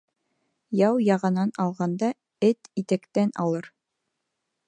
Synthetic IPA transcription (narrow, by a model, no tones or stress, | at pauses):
jɑwjɑʁɤ̆nɑnɑlˠʁɑnd̪ɑ | ɘt̪it̪ækt̪ænɑ̰lˠɤɾ